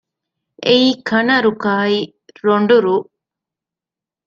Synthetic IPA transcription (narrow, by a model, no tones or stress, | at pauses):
ejkʰɐnɐɾukaːji | ɾoɳɖuɾu